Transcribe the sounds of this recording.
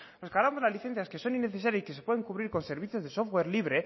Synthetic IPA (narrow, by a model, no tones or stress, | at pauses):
rokalamozlazliθe̞n̟θjaske̞so̞nĩnːeθe̞saɾjasi̥kesepweeŋkuβɾiɾko̞nse̞ɾβ̞iθjo̞zðe̞sofɣwe̞ɾliβɾe̞